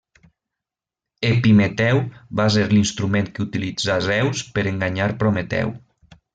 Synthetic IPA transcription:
epimet̪ɛwβas̬eɾlinst̪ɾumẽnkeut̪ilid͡zazɛwspəɾeŋɡaɲaɾpɾomet̪ɛ̰w

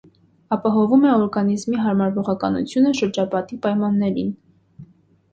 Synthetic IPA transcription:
ɑpɑɦɔvumɛɔɾɡɑnizmiɦɑɾmɑɾvɔʁɑkɑnṵt͡sʰjunəʃəɾd͡ʒɑpɑt̪ipɑjmɑnːɛɾḭn

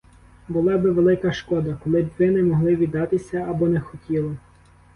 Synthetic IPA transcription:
bʊlˠɑbɪʋelˠɪkɐʃkɔd̪ɐkɔlˠɪbʲʋɪnɛmɔɦlˠɪʋʲid̪ːɑt̪ɪsʲɐɐbɔnɛxɔtʲilˠɔ

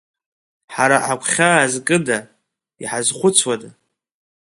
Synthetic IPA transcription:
ħaɾaħakʷʰχʲaːzkʼɨda | iħazχʷʊt͡sʷʰwada

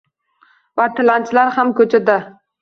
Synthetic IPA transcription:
vat̪ʰɪlant͡ʃlaɾhamkʰɵt͡ʃʰad̪a

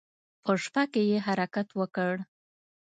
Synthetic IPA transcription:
pəʂpakejeɦaɾakat̪wəkəɽ

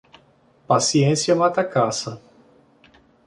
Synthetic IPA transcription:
pasiẽsjɐmat̪ɐkasɐ

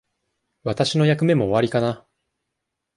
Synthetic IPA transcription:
βat̪aɕino̞jakɯ̟me̞mo̞ːβaɾʲikana

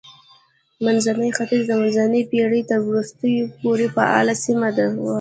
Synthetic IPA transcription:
manzanəjxat̪ɪzd̪əmanzanəjpeɽəjt̪əɾwɾust̪əjopoɾepaɑ̰lasimad̪awa

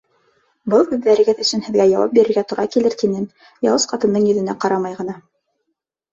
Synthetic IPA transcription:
bɤlˠʉðːæɾɘ̆ɡɘðɵ̆sɵnhɘ̆ðɡæjɑwɑ̰p̚biɾɘ̆ɾɡæt̪oɾʔɑkilɘɾt̪inɘn | jɑ̰lˠɤsqɑt̪ɤ̆nd̪ɤɴjɵ̆ðɘ̆næqɑɾɑmɑjʁɤ̆nɑ

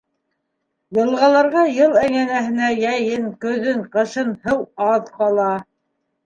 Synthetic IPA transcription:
jɤ̆lˠʁɑlˠɑɾʁɑjɤlˠæŋænæɦɘ̆næjæjɘŋkɵ̆ðɵŋqɤ̆ʃɤnhɤwɑðqɑlˠɑ

